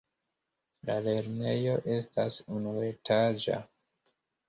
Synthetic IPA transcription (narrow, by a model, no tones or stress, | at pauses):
lale̞ɾne̞jo̞ʔe̞stasunue̞tʰad͡ʒa̰